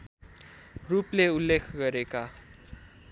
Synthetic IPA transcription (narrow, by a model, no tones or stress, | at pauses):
rupleulːekʰɡʌɾeka